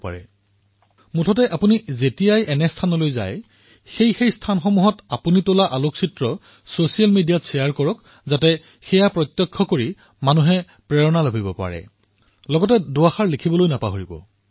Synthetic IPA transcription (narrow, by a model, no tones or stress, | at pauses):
pa̰ɹɛ̰ | mutʰɔtɛʔapunizetijajɛnɛstʰanɔlojza̰j | xejxejstʰanxɔmuɦɔtapunitolaʔaloksitɹɔ | sosialmidijatsijaɹkɔɹɔk | zatɛ | xɛjapɹɔt̪jɔkʰːɔkoɹi | manuɦɛ | pɹɛɹɔnaloɦibɔpa̰ɹɛ̰ | lɔɡɔtɛdʊaxaɹlikʰibɔlojnapaɦoɹibɔ̰